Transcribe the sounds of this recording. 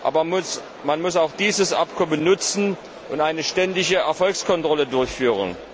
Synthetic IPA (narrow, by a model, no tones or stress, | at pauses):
ʔa̰ːbɐmʊs | manmʊsaʊxd̥iːzəsʔa̰pkʰɔmənːʊt͡sn̩ | ʔʊntʔaɪnəʃtɛndɪçəɛɐfɔlkskʰɔntʁ̥ɔlədʊɐçfyːʁən